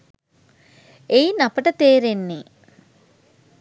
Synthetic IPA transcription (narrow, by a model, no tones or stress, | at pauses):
ejnɐpɐʈɐt̪eːɾenːi